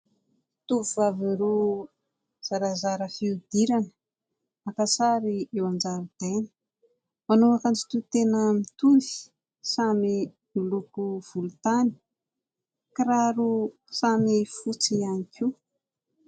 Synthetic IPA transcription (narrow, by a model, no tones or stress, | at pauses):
t̪uvuvaviɾu | z̥aɾazaɾəfiud̪̥iɾanə̥ | akasaɾiewand͡ʒaɾud̪̥enə̥ | manoakant͡si̥t̪ut̪enəmit̪uvi̥ | saminilukuv̥ulut̪ani̥ | kaɾaɾu | samifut͡sianikʰi